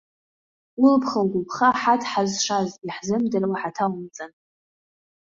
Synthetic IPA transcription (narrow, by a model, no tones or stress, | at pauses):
wʊlpʰχalɡʷʊpʰχaħatʰħazʂaziħzɨmdɨrwaħatʰawmt͡sʼan